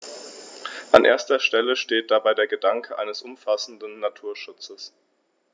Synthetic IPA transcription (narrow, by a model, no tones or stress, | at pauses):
ʔanʔḛːɐstɐʃtɛləʃteːt̚d̥abaɪdeːɐɡədaŋkʰəʔa̰ɪnəsʔʊmfasn̩dn̩ːatʰuːɐʃʊt͡səs